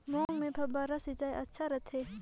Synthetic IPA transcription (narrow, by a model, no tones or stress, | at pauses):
mõːŋmẽbʰʱɐbaɾɐsit͡ʃaːeʔɐtːʃʰaɾɐt̪ʰeː